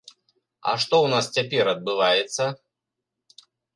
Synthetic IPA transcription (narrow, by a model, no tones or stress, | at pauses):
ɐ̰ʂt̪ɔwnast͡sʲapʲɛɾɐd̪̚bɨvajɛt̪sːɐ